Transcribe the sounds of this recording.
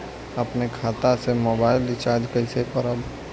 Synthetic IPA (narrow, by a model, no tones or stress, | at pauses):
əpnekʰaːt̪asemoːbaːɪlɪt͡ʃad͡ʒkəɪsepəɾəb